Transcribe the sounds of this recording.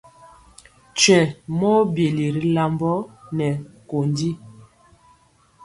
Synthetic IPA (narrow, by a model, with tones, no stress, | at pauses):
t͡ʃɛ˨mɔ˦bje˨li˨ɾi˦la˦mbɔ˦nɛ˨ko˨ndi˦